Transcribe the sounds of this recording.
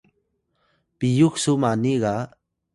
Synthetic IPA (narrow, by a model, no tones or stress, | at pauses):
pijuksumaniɡa